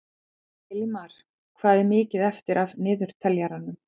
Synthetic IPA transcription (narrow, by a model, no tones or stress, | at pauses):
ɛlimaɾ̥ | kʰvaːðɪmɪːcɪðɛft̪ɪɾʔavnɪːðʏɾ̥t̪ʰɛljaɾanʏm